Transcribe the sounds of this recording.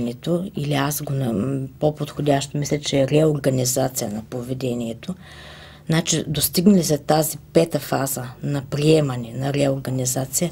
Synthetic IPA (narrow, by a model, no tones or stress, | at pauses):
nɛt̪oiliasɡonɐpopot̪xodʲaʃt̪omislʲɛt͡ʃɛːɾɛoɾɡɐnizat̪sijənɐpovɛd̪ɛniɛt̪o | znat͡ʃid̪ost̪iɡnlisɛt̪azipɛt̪əfazənɐpɾiɛmɐnɛnɐɾɛoɾɡɐnizat̪sijə